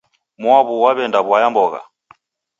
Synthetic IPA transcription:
mwaβuwaβɛndaβwajambɔɣa̰

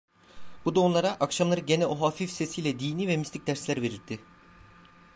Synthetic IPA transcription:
bud̪aonlˠaɾaʔakʃamlˠaɾɯɟe̞nɛoɦaːfifse̞sijlʲɛd̪iːniːvɛmist̪ʰic̚d̪æɾslʲæɾve̞ɾiɾd̪ʰɪ

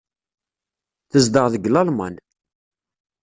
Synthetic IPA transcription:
θəzd̪əʁðəɡlɑlmɑ̰n

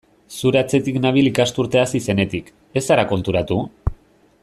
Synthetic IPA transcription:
suɾeat͡se̞t̪iknaβ̞ilikast̪uɾt̪e̞asise̞ne̞t̪ik | e̞saɾako̞nt̪uɾat̪u

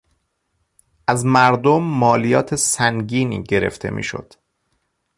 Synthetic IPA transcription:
ʔæzmæɾd̪omːɒːlijɒːt̪ʰesæŋɟiːnḭːɟe̞ɾe̞̰ft̪ʰe̞̰mḭːʃo̰d̪̥

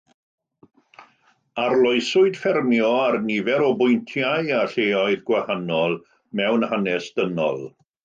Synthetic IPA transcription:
arlˠɔɨsʊɨd̥fɛrmjɔarnɪvɛɾɔbʊjntʰjajaɬeːɔɨðɡwahanɔlˠ | mɛwnhanɛsd̥ənɔ̰lˠ

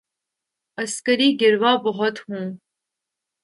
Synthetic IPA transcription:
ɐskəɾiːɡɪɾʋaːbɔɦɔt̪hũː

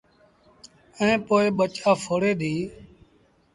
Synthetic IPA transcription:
ə̃ːpoːeːɓət͡ʃaːfʰoːɽeːd̪ʱiː

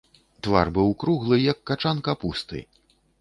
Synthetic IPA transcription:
t̪va̰rbɨwkɾuɣlˠɨjɐkːat͡ʂankɐpust̪ɨ̰

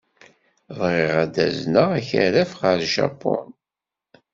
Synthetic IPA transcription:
vʁɪʁæd̪æ̰znəʁæçɾæfʁəɾʃa̰pːɔn

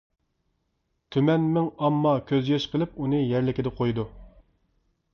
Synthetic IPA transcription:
t̪ʰymɛnmɪŋɑmːɑkʲʰøzɡɛʃqʰəlˠɪp̚unɨjɛɾlɪkʲid̪ɛqʰojd̪u

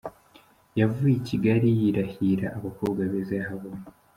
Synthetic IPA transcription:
javujiciɡaɾijiɾahiɾaʔːβakuːɡwaβezaɦaβon

